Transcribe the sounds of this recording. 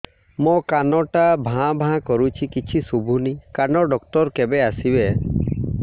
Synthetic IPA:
mɔkanɔʈabʱãbʱãkɔɾut͡ʃʰikit͡ʃʰisubʱunikanɔɖɔkʈɔɾkebeasibe

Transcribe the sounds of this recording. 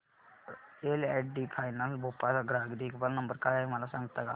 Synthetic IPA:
eːlɛːʈɖiːpʰaːɪnəlboːpalɡɾaːɡd̪iːkbəlnəmbəɾkaemalasə̃ŋɡt̪aɡaː

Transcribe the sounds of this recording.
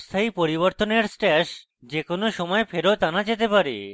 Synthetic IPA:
st̪ʰaipoɾiβoɾt̪oneɾsʈɛʃ | d͡ʑekonoʃɔmɔefeɾot̪anad͡ʑet̪epaɾḛ

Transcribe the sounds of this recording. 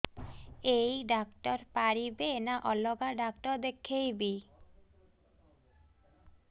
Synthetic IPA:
ejɖakʈɔɾpaɾibeːnaʔɔlɔɡaɖakʈɔɾd̪ekʰejbi

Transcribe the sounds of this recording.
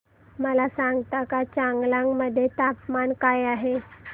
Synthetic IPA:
məlasãŋɡt̪akat͡ɕaŋɡlaŋɡməd̪ʱːjet̪apmankajaɦe

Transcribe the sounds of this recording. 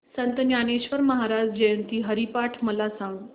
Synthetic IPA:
sənt̪njaneɕʋəɾməɦaɾad͡ʑd͡ʑejənt̪iːɦəɾipaʈʰməlasãŋɡ

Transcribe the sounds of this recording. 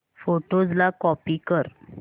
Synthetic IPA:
foʈod͡zlakɔpikəɾ

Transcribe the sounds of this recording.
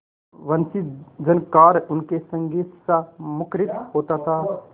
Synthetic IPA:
ʋɐnsid͡ʒɐnkaːɾʊnkesɐ̃ŋɡit̪samʊkɾɪt̪hoːt̪at̪ʰaː

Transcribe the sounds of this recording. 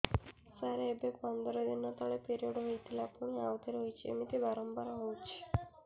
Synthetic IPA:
saɾeebek̚pɔnd̪ɔɾɔd̪inːɔt̪ɔɭepeɾioɖɦojt̪ʰilapuɽ̃iawt̪eɾɦojt͡ʃʰiḛmit̪ibaɾɔmbaɾaɦowt͡ʃʰi̥

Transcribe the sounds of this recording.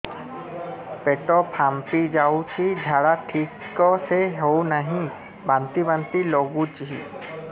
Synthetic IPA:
peʈɔpʰampid͡ʒawt͡ʃʰid͡ʒʱaɽaʈʰik | kɔseɦewnaɦĩ | bant̪ibant̪ilɔɡut͡ʃɦi

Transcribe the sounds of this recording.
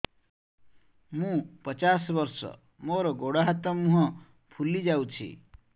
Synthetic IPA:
mũpɔt͡ʃasɔbɔɾsɔ̰ | moɾɔɡoɽaɦat̪ɔmũɦɔ | pʰulid͡ʒawt͡ʃʰḭ

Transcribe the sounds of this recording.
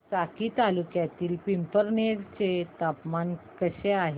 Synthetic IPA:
t͡sakiːt̪alukjat̪iːlpimpəɾneɽt͡ɕet̪apmankəɕeaɦe

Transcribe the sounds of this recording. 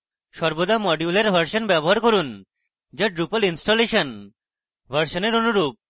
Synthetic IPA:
ʃɔɾbod̪amɔɖjuleɾbʱəɾʃonbɛboɦaɾkoɾun | d͡ʑaɖɾupəlinsʈoleʃon | bʱəɾʃoneɾonuɾup̚

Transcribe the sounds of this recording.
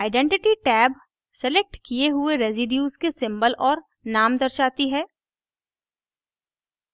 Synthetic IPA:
aːɪɖɛ̃ɳʈɪʈiʈɛːb | sɛlek̚ʈkijeɦʊeɾeːzɪɖjuːzkesɪ̃mbəlʔɔːɾ | naːmd̪ɐɾʃaːt̪iɦɛː

